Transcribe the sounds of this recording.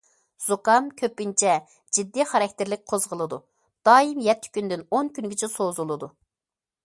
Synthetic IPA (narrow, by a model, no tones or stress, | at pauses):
z̥okɑmkʲʰøpːynt͡ʃʰɛ | d͡ʒid̪ːiχɑɾɑk̚ʲt̪ɪɾlɪk̚ʲqʰozʁəlˠɨd̪u | d̪̥ɑːimjɛt̪ʰːɪ̥kʲynd̪ɪnoŋkʲynɡʲit͡ʃʰɛsozulˠɨd̪u